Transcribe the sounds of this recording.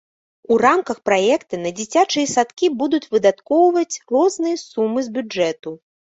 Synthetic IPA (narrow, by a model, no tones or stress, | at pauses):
uramkɐxpɾajɛkt̪ɨnɐd͡zʲit͡sʲat͡ʂɨjɐsat̪kʲibud̪ut͡sʲvɨd̪at̪kɔwvɐt͡sʲrɔznɨjɐsumːɨzbʲud͡ʐɛt̪u